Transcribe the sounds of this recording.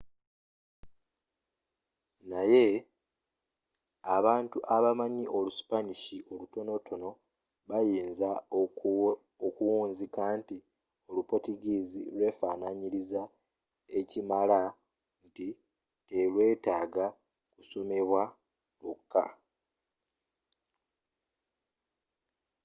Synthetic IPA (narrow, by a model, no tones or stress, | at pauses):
naje̞ | aβaːntuʔaβamaɲiʔo̞lusi̥paniʃiʔo̞luto̞no̞tʰo̞no̞ | βajiːnza | okuwuːnzikaːnti | o̞lupo̞tiɡiːzḭlwe̞ːfaːnaɲiɾiza | e̞cimala | nti | te̞lwe̞ːtaːɡa | kuso̞me̞βwa | lukːa̰